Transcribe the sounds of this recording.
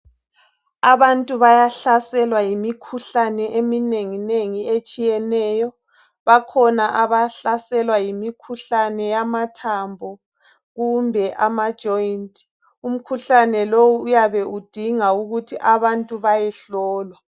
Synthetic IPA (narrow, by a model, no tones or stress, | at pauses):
aβantʼuβajaɬasɛlwajimikʰuɬanɛʔemineŋineŋiet͡ʃʼijɛnɛːjɔ | βakʰɔnaʔaβaɬasɛlwajimikʰuɬanɛjamatʰambʱɔ | ɣumbʱɛʔamad̥ʒ̥ʱɔintʰʼ | um̩kʰuɬanɛlowuːjaβɛʔud̥ʱiŋauɣutʰiʔaβantʼuβajɛɬɔːlwa